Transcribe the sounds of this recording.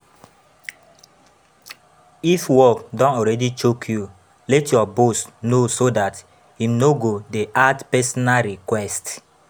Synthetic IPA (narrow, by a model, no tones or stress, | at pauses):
ifwɔkdɔ̃nɔɾɛdit͡ʃokʰju | lɛtjɔbosnosodat | hĩmnoɡodeʔatpɛsɔnaɾikwɛst